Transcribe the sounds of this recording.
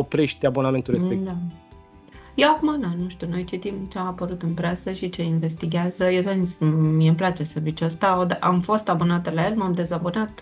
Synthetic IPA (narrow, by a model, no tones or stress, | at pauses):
opɾeʃt̪ʲabo̞name̞nt̪ulɾeekd̪a | jewakumaɨnanuʃt̪uno̞jt͡ʃit̪imt͡ʃe̞amapəɾut̪ɨnpɾesəʃit͡ʃe̞inve̞st̪iɡʲeazəjet̪anismiemplat͡ʃe̞səvit͡ʃost̪aod̪ʔamfo̞st̪abonat̪̚d̪laje̞lmamd̪e̞zabonat̪